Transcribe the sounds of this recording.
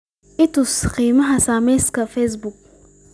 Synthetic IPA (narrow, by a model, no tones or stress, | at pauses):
ʔɪtusqiːmɐɦasaːmɛskɐfes̬buk̚